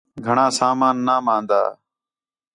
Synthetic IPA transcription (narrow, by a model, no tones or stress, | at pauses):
ɡʱəɳãːsaːmaːnːaːmãːnd̪a̰ː